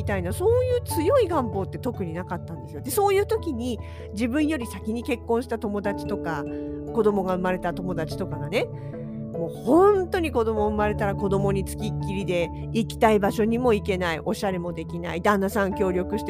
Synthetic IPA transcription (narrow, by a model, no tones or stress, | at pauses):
it̪ainaso̞ːjɯ̟ːt͡sɨjo̞iɡãmpo̞ːt̪ːe̞t̪o̞kɯ̟ɲ̟inakat̪ːãnd̪e̞sɨjod̪e̞so̞ːjɯ̟ːt̪o̞kʲiɲ̟i | d͡ʑibɯ̟̃ɰ̃jo̞ɾʲisakʲiɲ̟ike̞kːõɰ̃ɕi̥t̪at̪o̞mo̞d̪at͡ɕi̥t̪o̞ka | ko̞d̪o̞moɡaɯ̟maɾe̞t̪at̪o̞mo̞d̪at͡ɕi̥t̪o̞kaɡane̞ | mo̞ːhõ̞nt̪o̞ɲ̟iko̞d̪o̞moɯ̟maɾe̞t̪aɾako̞d̪o̞mo̞ɲ̟it͡sɨ̥kʲikʲːiɾʲid̪e̞ | ikʲi̥t̪aibaɕo̞ɲ̟imo̞ike̞naiʔo̞ɕaɾemo̞d̪e̞kʲina̰id̪ãnːasãŋkʲo̞ːɾʲo̞kɯ̟ɕt̪